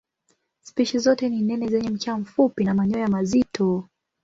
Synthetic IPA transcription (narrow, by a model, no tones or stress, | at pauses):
spiʃizɔtɛninɛnɛzɛɲɛm̩t͡ʃaam̩fupinamaɲɔjamazitʰɔ